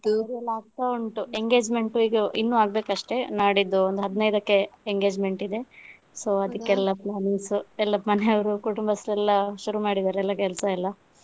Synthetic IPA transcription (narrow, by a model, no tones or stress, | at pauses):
t̪iɾɐlːaːɡ̚k̪auɳʈueŋɡe̞ːd͡ʒme̞ɳʈuiːɡɐʔinːuaːɡ̚beːkɐʂʈe̞naːɽid̪ːuond̪uɦɐd̪nɐjd̪ɐkːe̞eŋɡe̞ːd͡ʒme̞ɳʈid̪e̞ | so̞ːɐd̪ɐkːeɛlːɐplaːniŋsuɛlːɐmɐneɐʋɐɾukuʈumbɐslɛlːɐʃuɾumaːɽid̪aːɾeɛlːɐkɛlsɐɛlːɐ